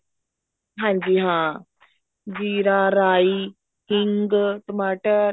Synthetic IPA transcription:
ɦãɲd͡ʑiːɦã | d͡ʑiːɾaɾai | hiŋɡʈəmaʈəɾ

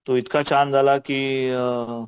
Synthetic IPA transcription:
t̪uit̪kat͡ɕand͡zʱalakiː

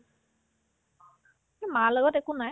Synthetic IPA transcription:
emalɔɡɔtekunaj

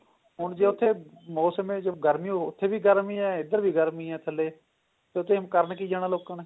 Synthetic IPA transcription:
ɦʊnd͡ʒeːʊt̪ʰːeːmoːsəmẽːd͡ʒeɡəɾmiːoʊt̪ʰːeːbiːɡəɾmĩːɛːɪd̪əɾbʱiːɡəɾmiːɛːt̪ʰəleː | t̪eːʊt̪ʰːeːmkəɾɳkiːd͡ʒaːɽ̃aːloːkənː

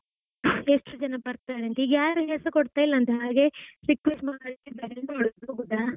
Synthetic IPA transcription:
eʂʈud͡ʒɐnɐbɐɾt̪ajɾeɐnt̪eiːɡjaːɾuɦɛsɐkɔɽt̪aːjilːɐːnt̪eɦaːɡe̞ɾikʋesʈmaːɽɐlikːebɐɾelnoɭd̪oɡud̪ːaː

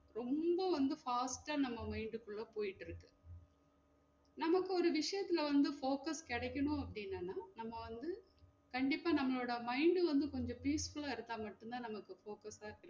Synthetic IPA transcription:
ɾɔmbɐʋɐnd̪ɯfaːsʈaːnɐmːɐmɐɪɳɖɯkːʊɭːɐpoːjɪʈːɪɾɯkːɯ̥ | nɐmɐkːɯɔɾɯʋɪʂɐjɐt̪ːɪlɐʋɐnd̪ɯfoːkɐskɪɽɐkʲːɐɳʊ̃ɐpːɐɽɪnːanːaːnɐmːɐʋɐnd̪ɯ | kɐɳɖɪpːaːnɐmːɐɭoːɽɐmɐɪɳɖɯʋɐnd̪ɯkɔɲd͡ʒɔ̃piːsfʊɭaːɪɾɯt̪ːaːmɐʈːɯnt̪aːnɐmɐkːɯfoːkɐsaːkɪɾ

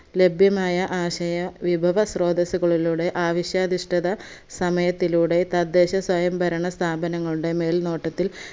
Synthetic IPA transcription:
le̞bʱjɐmaːjɐʔaːɕɐjɐʋibʱɐʋɐsro̞ːd̪ɐsuɣɐɭiluːɽe̞ʔaːʋɐɕjɐːd̪iʂʈɐðɐ | sɐmɐjɐt̪ːiluːɽe̞t̪ɐd̪ːe̞ːɕɐswɐjɐmbɐɾɐɳɐst̪ʰaːbɐnɐŋːɐɭuɽe̞me̞ːlno̞ːʈːɐt̪ːil

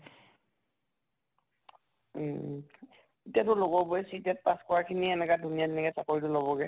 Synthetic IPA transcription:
etijatʊlobɔbɔɛsitɛt̚paskɔɹaɹkʰiniɛnɛkadʱunijadɛnɛkɛsakoɹitʊlobɔɡɛ

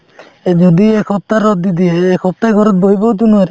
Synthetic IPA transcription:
d͡ʒɔd̪iekʰɔp̚t̪aɾɔd̪id̪ieːkʰɔp̚t̪aɡɔɾɔt̪̚bojbɔwd̪unuaɾe

